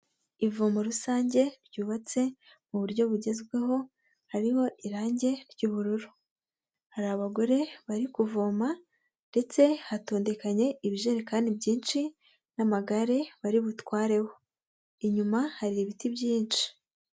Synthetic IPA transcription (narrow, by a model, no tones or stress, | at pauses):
ivomoɾusaːɲɟe̞ɾɟuːβat͡se̞ | muβuɾɟo̞βuɟe̞zɡwe̞ɦo̞ | haɾiho̞ʔiɾaːɲɟe̞ɾɟuːβuɾuɾu | haɾaβaɡo̞ɾe̞βaɾikuvoːma | nde̞t͡se̞hato̞ːnde̞kaɲe̞ʔiβiʒeɾekaːndibɟiːnt͡ʃi | namaɡaɾe̞βaɾiβutwaːɾe̞ho | iɲumahaɾiiβitibjiːnt͡ʃi̥